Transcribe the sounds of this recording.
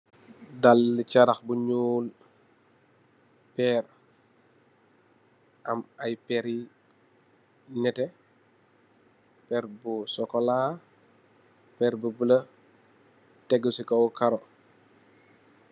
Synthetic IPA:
dalːit͡ʃaɾɐxbuɲuːl | pɛːɾ | ʔɐmɐjpɛɾi | nɛtɛ | pɛːɾbusɔkɔla | pɛːɾbubəlɐ | tɛɡːusikɔwkaɾɔ

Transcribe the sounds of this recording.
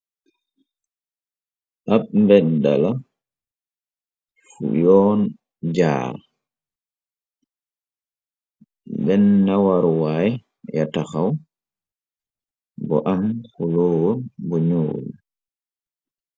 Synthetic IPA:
ʔaɓmbɛda̰la | fṵjɔːn | d͡ʒa̰ːɾ | bɛnːawaɾwaj | jataxaw | bɔʔamhuloːwɔbɔɲoːlu

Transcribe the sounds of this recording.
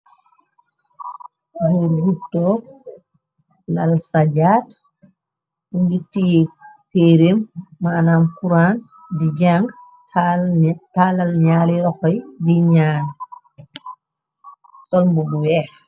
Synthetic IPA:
heɾihitːɔ | lalsad͡ʒaːt | uŋɡititeɾemːanamkuɾan | did͡ʒaŋɡ | talalɲaːliɾɔxɔjdiɲaːn | sɔlmbuɡɔwɛ

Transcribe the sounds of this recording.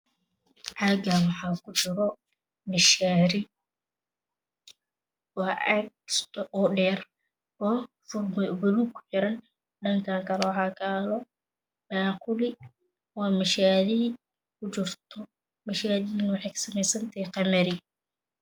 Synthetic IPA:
ʕɑɡawɑħɑːkʰʊt͡ʃɪɾɔ | mɪʃaːɾɪ | wɑːɛɡsʔɔːɖɛːr | ɔː | fʊrwʊluːb̚kʰʊ̥ħɪɾɐn | ɖɐŋkʰaːŋkʰɐlɛwɑħɑːkʰaːlɔ | baːqʊlɪ | wɑːmɪʃaːðɪ | kʰʊt͡ʃɪrt̪ʰɔ | mɪʃaːðɪnwɑħɑjkʰɐ̥sɐmɛjsɐnt̪ʰɛqɑmɐɾɪ

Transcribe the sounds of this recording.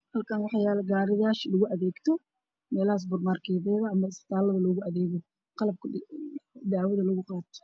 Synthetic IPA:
hɐlkʰɐnwɑħɑjaːlɐɡaːɾɪðaːʃlʊɣʊʔɐðɛːɡt̪ʰɔ | mɛːlɐhaːs̬bʊrmaːrkʰɛːðɛːðɐɐmɐɪsbɪ̥t̪ʰaːlɐðɐlɔːɣʊɐðɛːɣɔ | qɑlɐb̚kʰ | d̪aʕwɐðɐlʊɣʊqɑːt̪ʰɔ̥

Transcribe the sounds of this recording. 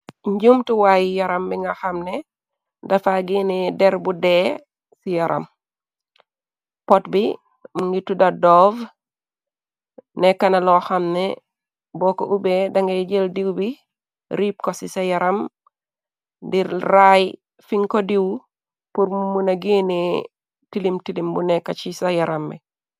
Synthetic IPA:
ɲɟumtuwajjɐɾɐmbiŋɡaxɐmne | dɐfaɡiːnidɛɾbudeː | sijɐɾʔɐ̰m | potbi | muŋɡitudɐdɔv | nɛkanalɔxɐmne | bɔkoʔubedaŋɡejɟeldiwbi | ɾip̚kosisajaɾam | diɾraj | fiŋkodiw | puɾmmunaɡini | tilimtilimbunɛkːat͡ʃisajaɾambɛ̰

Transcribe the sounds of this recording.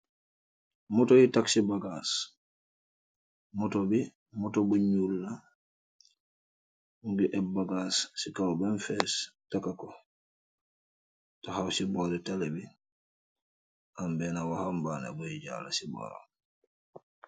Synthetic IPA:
mɔtɔjitaksibaɡas | mɔtɔbi | mɔtɔbuɲulːa | uŋɡiʔɛbaɡasːikawbɛnfɛstakakɔ | tahawsibɔɾɛtalɛbi | ʔambɛnawahambaːna̰bɔjid͡ʒa̰lasibɔ̰ːɾa̰m

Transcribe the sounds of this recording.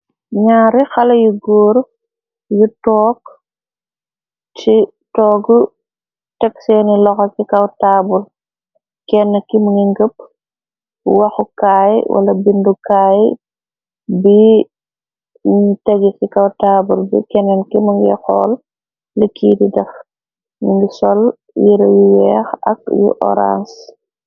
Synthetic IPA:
ɲaːɾixɐlɐjuɡoːɾ | jutɔːk | ti | tɔːɡu | tɛksɛnilɔxɔsikɐwtaːbul | kɛnːɛkimuŋɡiŋɡəp̚ | wɐxukaːjiwʔɐ̰lɐbindukaːj | bi | tɛɡikikawtaːbulbḭkɛnːɛnkimuŋɡixɔ̰ːl | ləkːiːdidɐf | muŋɡisɔl | jiɾɐjuwɛ̰ːxɐ̰k̚jṵʔɔ̰ɾa̰ns

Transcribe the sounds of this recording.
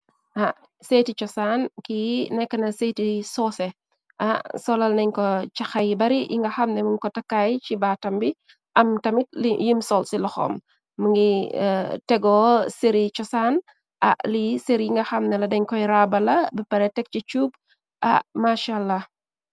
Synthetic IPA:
ʔa | seːtit͡ʃɔsankinɛkːɐnɐsetisɔsɛ | ʔɐsɔlɐlnɐɲkɔt͡ʃɐxɐjbɐɾijḭŋɡɐxɐmnɛməɲkɔtɐkːajt͡ʃibaːtɐmbi | ʔɐmtɐmit̚lijimsɔlsilɔxɔ̰mː | əŋɡi | tɛɡɔseɾit͡ʃɔsaːn | ʔɐ̰ʔliseɾiiŋɡɐxɐmnɛlɐdɐɲkɔjɾabɐlɐbɐpɐɾɛtɛk̚t͡ʃit͡ʃub̚ | ʔa̰maʃalːɐ

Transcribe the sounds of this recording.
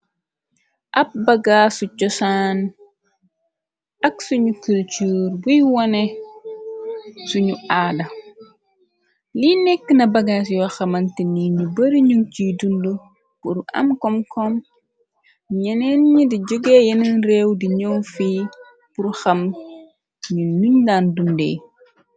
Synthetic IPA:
ʔɐp̚bɐɡaːsut͡ʃɔsaːn | ʔɐksuɲukult͡ʃuɾbujwɔne | suɲuʔaːdɐ | linɛkːənɐbɐɡasiwɐxɐmɐntiniɲubɐɾiɲuŋt͡ʃidundu | puɾʔɐ̰mkɔmkʰɔm | ɲɛnɛnɲidiɟuɡejɐnənrɛwdiɲowfiː | puɾxɐm | ɲunuɲdaːndundɛ̰j

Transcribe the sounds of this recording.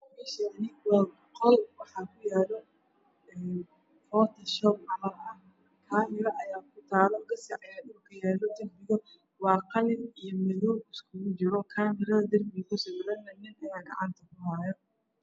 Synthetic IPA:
mɛʃɐɐnɪɣwabqɔlwɑħɑkʰʊjaːlɔ | ɛː | fɔːt̪ʰɐʃɔbɐlɐɐ | kʰaːmɪɾɐʔɐjaːkʰʊt̪ʰaːlɔkɐsiʕɑjɐɗʊrkʰɐjɛːlɔd̪ɐrbɪɣɔ | wɑːqɑlɪnijɔmɐðɔːbɪskʰʊɣʊt͡ʃɪɾɔkʰaːmɪɾɐðɐd̪ɐrbɪɣɐsɔʕlɐnːɐnɪnɐjaːɡɑ̰ʕɑnt̪ʰɐkʊhaːjɔ

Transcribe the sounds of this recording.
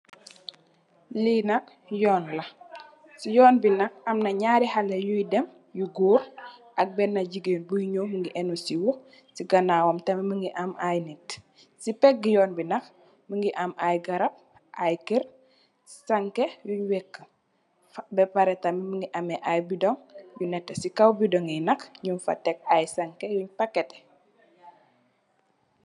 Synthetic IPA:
linɐk̚ | jɔːnlɐ | sijɔːnbinɐk̚ɐmnɐɲaːɾihɐlɐjujdɛm | juɡuːɾʔɐk̚bɛnːɐɟiɡeːnbujiɲoːməŋɡiʔɛnusiwɔ | siɡɐnaːwɐmtɐmiməŋɡiʔɐmajnit | sipɛɡijɔːnbinɐk | məŋɡiʔamajɡɐɾɐp̚ | ʔajkiɾ | sɐŋkejuɲwɛkːə | bɛpaɾɛtɐmiməŋɡiʔɐmɛʔajbidɔŋjunɛtːɛsikɐwbidɔŋinɐkɲunfɐ̰tɛk̚ajsɐŋkejuɲpakːɛtɛ̥

